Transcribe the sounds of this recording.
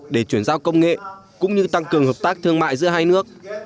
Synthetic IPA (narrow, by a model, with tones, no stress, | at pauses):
ɗe˧˩t͡ɕwi˧˩ənzaː˧wkə˧wŋ͡mŋḛ˧˨kʊ̰˧˥ŋ͡mɲɨ˧t̪a˧ŋkɨ˨˩əŋɦəː˨˩p̚t̪aː˦˥k̚t̪ʰɨ˧əŋma̰ː˧˨jzɨ̰˧˥əɦaː˧jnɨ˦˥ək̚